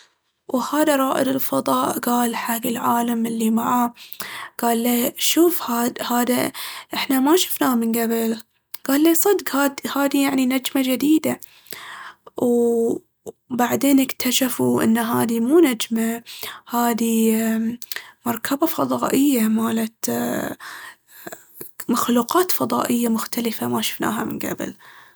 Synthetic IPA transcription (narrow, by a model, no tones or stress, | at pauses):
whaːðaɾˤɑːʔɪd̪ɪlfɑðˤɑːʔɡaːlħaːɡɪlʕaːlamɪlːimaʕa | ɡ̥aːlːaʃuːfhaːhaːd̪aʔɪħnamaʃʊ̥fnaːmɪnɡabɪl | ɡ̥aːlːiːsˤɑd̪ɡhaːd̪haːd̪ijaʕninad͡ʒmad͡ʒɪd̪iːd̪a | w | baʕd̪eːnɪkt̪ʰaʃafuʔɪ̰nːaɦaːd̪imuːnad͡ʒmahaːd̪i | mɑɾˤkʰabafɑðˤɑːʔɪjːamaːlat̪ | maxluːqɑːt̪fɑðˤɑ̰ːʔɪjːamʊxt̪alɪfamaʃʊ̥fna̰ːɦa̰mɪnɡa̰bɪ̰l